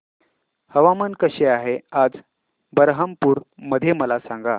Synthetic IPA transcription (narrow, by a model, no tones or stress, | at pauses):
həʋamənkəɕeaɦead͡z | bəɾɦəmpuːɾməd̪ʱːjeməlasãŋɡa̰